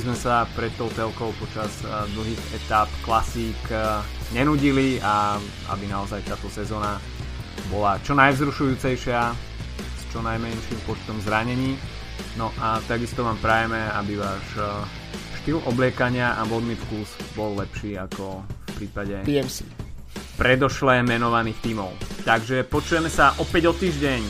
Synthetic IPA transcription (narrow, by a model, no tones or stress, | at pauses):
zmɛsapɾɛt̪̚t̪ɔʊt͡sɛlkɔʊpɔt͡ʃaz | d̪l̩ɦiːɣɛt̪apklasiːkɲɛnuɟilia | a̰binaɔzajt̪aːt̪ɔsɛzɔːna | bɔlat͡ʃɔnajvzɾuʃujuːt͡sɛjʃɪa | st͡ʃɔnajmɛnʃiːmpɔt͡ʃt̪ɔmzɾaɲɛɲiː | nɔʔat̪aɡist̪ɔʋaːmpɾajɛmɛabiʋaːʃ | ʃt̪ilɔblɪɛkaɲɪaʔamɔd̪mifkusbɔlːɛpʃiːakɔfpɾiːpaɟɛiɛmsi | pɾɛd̪ɔʃlɛmɛnɔʋaniːxt̪iːmɔʊt̪aɡʒɛpɔt͡ʃujɛmɛsaʔɔpɛɟɔt̪iːʒɟɛɲ